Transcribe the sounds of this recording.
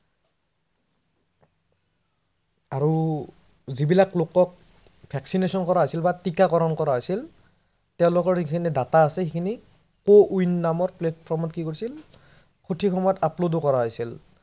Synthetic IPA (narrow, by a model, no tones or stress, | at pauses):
aɹu | zibilaklokɔk̚ | pʰɛksinesɔnkɔɹaɦojsilbatikakɔɹɔnkɔɹaɦojsil | tɛʊ̃lʊkɔɹhikʰinidataːsɛxikʰini | koʔujnːamɔɹplɛtpʰɔɹmɔtkikoɹisil | kʰotʰikʰɔmɔjɔtaplodokɔɹaɦojsil